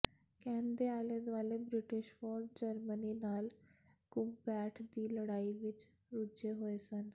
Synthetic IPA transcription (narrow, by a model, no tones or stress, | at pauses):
kɛ̃ːnd̪eaːled̪ʋaːleːbɾɪʈɪʃfɔːɾɖ̚d͡ʒəɾməniːnaːlkʊmpɛːʈʰd̪iːləɽaːiʋɪt͡ʃ | ɾʊd͡ʒeːɦoːesən